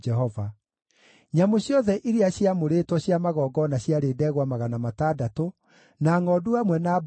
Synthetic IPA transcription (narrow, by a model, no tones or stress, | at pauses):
d͡ʒɛɦɔva | ɲamoɕjɔðɛʔiɾeaɕiamoɾeːtwɔɕjamaɣɔːɡɔnaɕjaɾeːdɛːɣwamaɣanamataːdato | naːŋɔːduamwɛnab